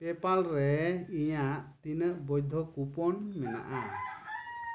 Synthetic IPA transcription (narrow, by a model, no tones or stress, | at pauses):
pɛpalɾɛijaʔt̪inəʔbɔjd̪ʱɔkupɔnmɛna̰ʔa